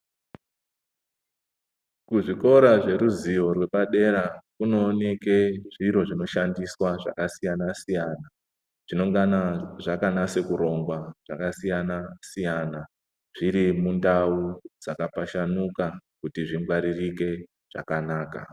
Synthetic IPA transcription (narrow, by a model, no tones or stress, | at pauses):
kuʐiko̞ɾaʐe̞ɾuzijo̞rwe̞ɓaɗe̞ɾakuno̞ːne̞keʐiɾo̞ʐino̞ʃandiswaʐa̰kasijanasijana | ʐ̥ino̞ŋɡanaʐakanase̞kuɾo̞ŋɡwaʐ̥a̰kasijanasijana | ʐ̥iɾimundaud͡zakapaʃanukakutiʐiŋɡwaɾirike̞ | ʐ̥a̰kanaːka̰